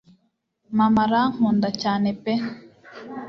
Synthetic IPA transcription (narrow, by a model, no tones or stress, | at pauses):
mamaɾahuːndacaːnepe